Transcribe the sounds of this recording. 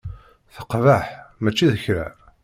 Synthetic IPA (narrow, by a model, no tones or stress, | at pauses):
θə̥qvaħmæt͡ʃːiðəçɾæ̰